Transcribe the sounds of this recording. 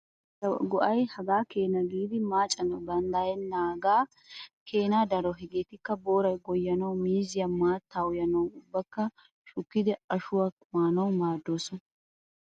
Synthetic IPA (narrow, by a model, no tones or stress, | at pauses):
ɡɔʔɐjhɐɡaːke̞ːnɐɡiːd̪ɪmaːt͡ʃʼɐnɐwd̪ɐnd̪ajɛnːaːɡaː | kʰe̞ːnaːd̪ɐɾɔɦɪɡeːt̪ɪkːɐbo̞ːɾɐjɡɔjːɐnɐwmiːzɪjɐmaːt̪ːawjɐnɐwʊbːɐkːɐ | ʃʊkːɪd̪ɛɐʃʊwɐ | maːnɐwmaːd̪ːoːsɔn